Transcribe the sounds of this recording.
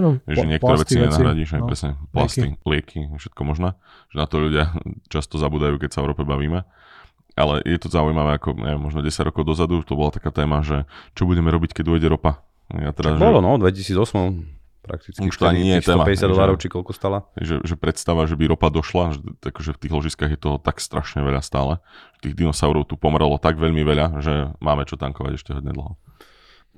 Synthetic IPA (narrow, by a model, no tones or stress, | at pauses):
ɛʒɛɲɪɛkt̪ɔɾɛːʋɛt͡siɲɛnaɦɾaɟiʃajpɾɛsɲɛpla̰st̪ilɪɛkʰifʃɛ̥t̪̚kɔmɔʒnaː | ʒ̥ɛnat̪ɔʎuɟɪat͡ʃast̪ɔzabuːd̪ajuːkɛcsaɔɾɔpɛbaʋiːmɛ | ʔa̰lɛ̰jʔɛt̪ɔzaujmaʋɛːakɔɲʔɛ̰ʋjɛmːɔʒnɔɟɛsaɟɾɔkɔʊd̪ɔzad̪uʃt̪ɔbɔlat̪ḁkaːt̪ɛːmaʒɛt͡ʃɔbuɟɛmɛɾɔbickɛɟuɛɟɛɾɔpa̰ | jat̪ɛɾazʒbɔlɔnɔd̪ʋɛcisiːd͡zɔsmɔ | pɾa̰k̚t̪it͡skuʃt̪ɔaɲɪɛjɛst̪ɛːɔmapɛɛsjad̪ɔlaːɾɔʊt͡ʃikɔlkɔst̪alahɛ̰ʒɛ̰ʒɛpɾɛt̪st̪aʋaʒɛbiɾɔpad̪ɔʃlaʒɛakɔʒɛft̪iːɣlɔʒiskaːɣjɛt̪ɔɦɔt̪akst̪ɾʔaʃɲɛʋɛʎast̪aːlɛʒ̥ɛ̥t̪iːɣd̪inɔsaʊɾɔʊt̪upɔmɾɛlɔt̪aɡʋɛʎmiʋɛʎaʒɛmaːmɛt͡ʃɔt̪aŋkɔʋa̰ɟɛʃcɛɦɔɟɲɛ̰d̪l̩ˠɦɔ